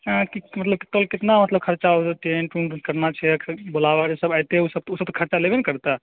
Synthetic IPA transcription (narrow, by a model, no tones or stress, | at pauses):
kimət̪ləb̚kit̪olkɪt̪namət̪ləb̚kʰəɾt͡ʃaoʈenʈuɳkəɾnat͡ʃʰɛɛkʰbolabad͡ʒesəbajt̪eɦɛusəb̚t̪usəb̚t̪ɔ̥kʰəɾt͡ʃalebenkəɾt̪a